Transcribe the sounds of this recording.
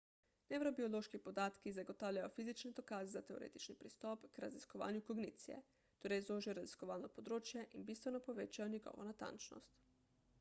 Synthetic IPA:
newɾobioloʃkipod̪aːt̪kizaɡot̪aːwlʲjajofizit͡ʃnɛd̪okaːzɛzat̪ɛoɾḛːt̪it͡ʃnipɾist̪ɔpkɾaziskoʋa̰ːnjukoɡnit̪sijɛ̰ | t̪oɾɛjzloːʒijoɾaziskoʋaːlnopod̪ɾoːt͡ʃjɛʔinbist̪ʋɛnɔpoʋeːt͡ʃajoɲiɡɔ̰ːʋɔ̰nat̪a̰nt͡ʃnɔ̰st̪

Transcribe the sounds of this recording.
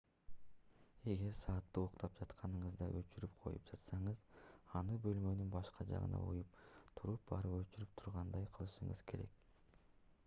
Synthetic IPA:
e̞ɡe̞ɾsɑːt̪ːɯoqt̪ɑp̚d͡ʒɑt̪qʰɑnɯɴɯzd̪ɑʔøt͡ʃyɾypqʰo̞̰jṵpd͡ʒɑt̪sɑɴɯzɑnɯbø̞lmø̞nynbɑʃqɑd͡ʒɑ̰ʁɯ̰nɑ̰ṵjupt̪ʰuɾup̚bɑɾɯpøt͡ʃyɾyp̚t̪ʰu̥ɾʁɑnd̪ɑjqʰɯlˠɯʃɯɴɯ̰z̥kʰe̞ɾe̞̰k

